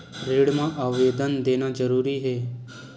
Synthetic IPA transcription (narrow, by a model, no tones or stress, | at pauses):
ɾeːɽmãːʔaːʋʋeːd̪ənd̪eːnaːd͡ʒəɾuːɾiːɦeː